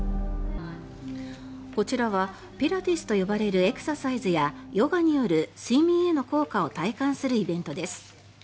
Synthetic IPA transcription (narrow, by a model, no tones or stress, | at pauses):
ko̞t͡ɕiɾaβa | pʲeɾat̪isɨ̥t̪o̞jo̞baɾe̞ɾɯ̟e̞kɯ̟̥sasaizɨjajo̞ɡaɲ̟ijo̞ɾɯ̟simieno̞ko̞ːkao̞t̪aikãɰ̃sɨɾɯ̟ibẽ̞nt̪o̞d̪e̞sɨ̥